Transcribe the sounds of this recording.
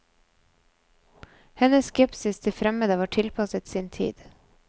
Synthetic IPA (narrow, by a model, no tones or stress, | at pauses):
hɛnəsskɛpsɪst̪ʰɪfɾɛməd̪əʋɑːʈʰɪlpʰɑsət̪siːnt̪ʰḭːd̪̥